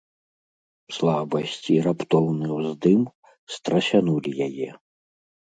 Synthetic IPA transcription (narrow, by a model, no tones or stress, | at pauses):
slˠabɐsʲt͡sʲiɾapt̪ɔwnɨwzd̪ɨm | st̪ɾɐɕʲanulʲijajɛ